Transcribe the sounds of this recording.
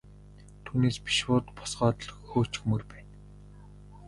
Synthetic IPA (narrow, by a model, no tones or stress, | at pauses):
t̪ʰuːneːspi̥ʃwʊːt̪pɔ̥sɢɔːt̪ə̆ɮxoːt͡ɕɪ̥̆xmɵrpæːn